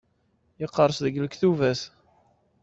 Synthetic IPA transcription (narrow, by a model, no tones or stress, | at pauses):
jəqːəɾˤsðəɡləkθuvæs